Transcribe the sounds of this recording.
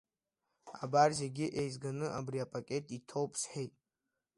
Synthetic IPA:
abarzeɡʲiʔejzɡanɨʔabriapʼakʲʼe̞tʼitʰo̞wpʼʰsħejtʼ

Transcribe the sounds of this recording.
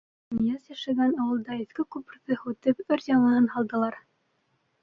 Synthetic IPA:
mijɑsjæʃæɡænɑwɤ̆lˠd̪ɑiθkɘkup̆ɾðɤhʉt̪ɘpɘɾjʲɑɴɤ̆ɤnhɑlˠd̪ɤ̆lˠɑɾ

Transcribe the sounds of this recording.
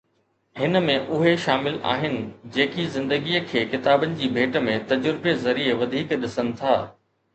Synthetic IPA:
hɪnə̆mẽʔʊɦeʃaːmɪla̰ːɦɪnɪ̆d͡ʑeːkizɪ̃nd̪əɡiːəkʰeːkɪt̪aːbənɪ̆d͡ʑiːbʱeːʈmẽt̪ɐd͡ʑʊɾbezɐɾieʋɐd̪ʱiːkɗɪsənɪ̆t̪ʰaː

